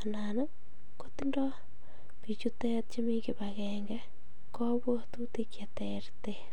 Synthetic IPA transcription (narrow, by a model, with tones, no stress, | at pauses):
a˨na˨nə˦ | ko˦ti˦ndɔ˦ | pi˨t͡ʃu˦tɛ˦t̚t͡ʃe˦mi˦ki˨pakɛŋɡɛ˦ | kɔ˦bwo˦tuti˦kja˨tɛrte